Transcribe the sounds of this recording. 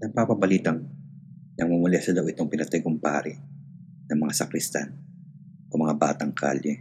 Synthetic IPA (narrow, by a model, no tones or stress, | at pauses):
nɐŋpapɐbɐliːt̪ɐŋ | nɐŋmʊmʊlɛsɐd̪ɐwʔɪt̪oŋpɪnɐt̪ajɡompa̰ːɾɪ | nɐŋmɐŋasɐkɾɪst̪a̰n | ʔomɐŋaba̰ːt̪ɐŋkʰa̰ːljɛ